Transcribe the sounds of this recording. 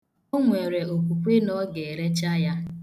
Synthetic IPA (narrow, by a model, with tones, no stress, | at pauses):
o˦ŋʷe˨ɾe˨o˨kʷu˨kʷe˦nɔ˦ɡe˨e˨ɾe˦t͡ʃa˦ja˦